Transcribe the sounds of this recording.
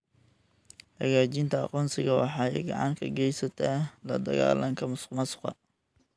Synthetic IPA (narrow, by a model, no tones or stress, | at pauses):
hɐɣaːt͡ʃɪnt̪ʰɐɑqɔːnsɪɣɐwɑħɑːɛɡɑʕɑ̰ŋkʰɐɡɛjsɐt̪ʰalɐd̪ɐɣa̰ːlɐŋkʰɐmʊsmɐsʊ̥qɐ̰